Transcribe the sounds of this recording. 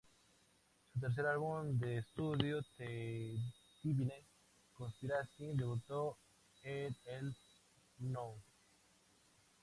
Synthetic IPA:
sut̪̬eɾθ̬eɾalβumd̪eːst̪uðjot̪e | t̪iβine | kõnspiɾasid̪eβut̪o | eel | nõŋ

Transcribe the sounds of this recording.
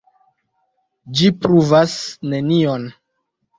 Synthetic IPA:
d͡ʒipɾuvasne̞nion

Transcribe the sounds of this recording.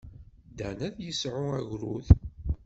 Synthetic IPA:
d̪æ̰næðjəsʕʊæʝɾṵθ

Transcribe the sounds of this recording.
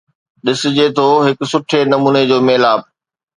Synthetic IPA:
ɗɪsɪ̆d͡ʑet̪ʰoːɦɪksʊʈʰenɐmuːned͡ʑoːmeːlaːb̚

